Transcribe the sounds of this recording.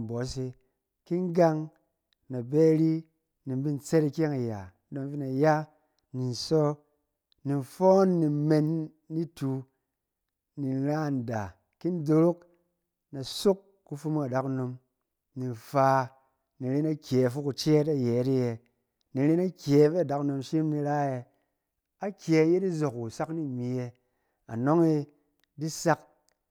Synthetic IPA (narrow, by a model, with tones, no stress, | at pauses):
bɔ˨˦s̬i˧ | ki˦ŋ˦ɡa˦ŋ | na˨beː˦ɾi˦ | ni˨m˦bi˦n˨t͡se˦ɾi˧kʲe˦ŋa˨ja̰˨˦do˧ŋfi˦na˨ja˦ | ni˨n˨sɔ˦ | ni˨nfɔ˦nːi˨me˧nː | i˦tu˧ | ni˨n˦ɾa˦˨n̩˨da˨ | ki˦n˦do˧ɾo˦k̚ | na˨so˦kːu˦fu˦ma˨da˦kno˧m | ni˨nfa˧ | ni˨ɾe˦na˦kʲe˨fu˦ku˧t͡ʃe˦ta˦jeː˨˦ɾi˦je˨ | ni˨ɾe˦na˦kʲe˨˦ve˦a˨da˨˦kno˧mʃi˦mni˧ɾa˦e˧ | a˦kʲe˨˦je˦di˦zo˨ku˨sa˦kni˦mi˨e˧ | a̰˨no˦ŋi˧ | di˦sa˦k̚